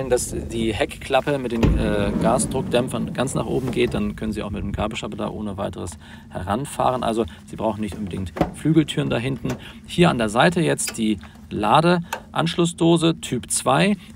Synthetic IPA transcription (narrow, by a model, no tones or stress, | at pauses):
əndasd̥iːhɛkkʰl̥apəmɪt̚d̥eːmʔɛːɡaːsd̥ʁʊk̚d̥ɛmfɐnɡ̥ant͡sna̰ːχʔo̰ːbm̩ɡeːt̚d̥ankʰœnənziːaʊxmɪt̚deːmɡ̥aɐbəʃabəda̰ːʔoːnəvaɪtəʁəs | hɛ̰ʁanfa̰ːʁənʔa̰lzoz̥iːbʁaʊxn̩nɪçtʔʊnmbədɪ̰ŋktflyːɡl̩tʰyːʁəndaːɦɪntn̩ | hiːɐandeːɐzaɪtəjɛt͡std̥iː | laːdəʔa̰nʃlʊsd̥oːzətʰyːpt͡sv̥aɪ